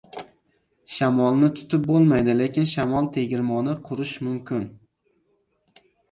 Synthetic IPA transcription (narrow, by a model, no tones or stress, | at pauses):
ʃamɒlˠnɪt̪ʰʊ̥t̪ʰɪp̚bolˠmajd̪ɪle̞kʲʰɪnʃamɒlˠt̪ʰe̞ɡʲɪɾmɒnɪqʰʊɾɪʃmʊmkʰʲɪn